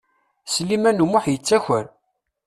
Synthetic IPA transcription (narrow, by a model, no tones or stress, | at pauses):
slːimænumʊħjət͡sːæçəɾ